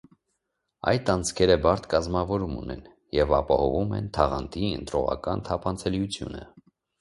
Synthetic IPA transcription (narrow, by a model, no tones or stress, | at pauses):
ɑ̰jt̪ɑnt͡sʰkʰɛɾəbɑɾt̪ʰkɑzmɑvɔɾumṵnɛn | jɛvɑpɑhɔvumɛ̰nt̪ʰɑʁɑnt̪ʰiə̰nt̪ɾɔʁɑ̰kɑnt̪ʰɑpʰɑnt͡sʰɛljut͡sʰjṵnə̰